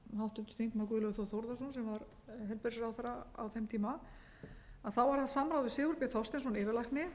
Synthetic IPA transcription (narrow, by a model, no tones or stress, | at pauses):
hawht̪ʏt̪ʏ̥θiŋkmak̬ʏðlœɣθoθowɾðasunsɛmvaɾ | ɦɛlpeɾsɪɾawθaɾaa̰wθɛmt̪ʰiːma | aðθawvaɾ̥hansamɾawðvɪsɪːɣuɾpɛθɔst̪ɛnsɔnɪːvɪɾlajhknɪ